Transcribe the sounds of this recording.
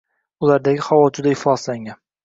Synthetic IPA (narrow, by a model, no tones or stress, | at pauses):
ʊlaɾd̪aɡʲɪχawɒd͡ʒʊd̪aɪflɒzlaŋʲan